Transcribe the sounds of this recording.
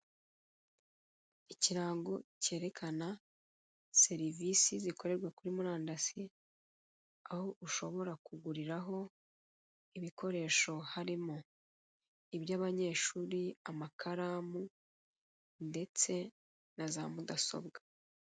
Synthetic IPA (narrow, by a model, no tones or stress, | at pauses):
iciɾaːŋɡo̞ce̞ːɾe̞kʰana | se̞ɾivisiziko̞ɾe̞ɾɡwakuɾimuɾaːndasi | ahoʔuʃo̞βo̞ɾakuɡuɾiɾaɦo̞ | iβiko̞ɾe̞ːʃo̞haɾimo | ibjaːβaɲe̞ːʃuːɾiamakʰaɾaːmu | nde̞t͡se̞ | nazamudaso̞̰bɡḁ